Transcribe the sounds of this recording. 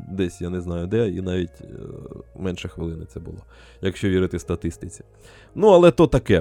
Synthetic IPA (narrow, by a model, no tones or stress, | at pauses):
d̪ɛsʲjanɛznɑjʊd̪ɛḭnɑʋʲitʲ | mɛnʃɛxʋɪlˠɪnɪt̪sɛbʊ̰lˠɔ | jɐkʃt͡ʃɔʋʲiɾɪt̪ɪst̪ɐt̪ɪst̪ɪt͡sʲi̥ | nuɐlˠɛt̪ɔt̪ɐkɛ